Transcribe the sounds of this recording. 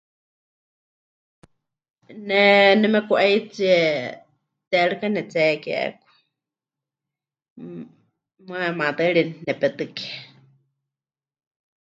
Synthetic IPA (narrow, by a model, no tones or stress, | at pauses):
nɛnɛmɛkuʔait͡siɛ | t̪ɛɺɨkanɛt͡sɛkɛʔɛ̰kʷḁ | mɨamad̪ɨɺinnɛpɛt̪ɨkɛ̥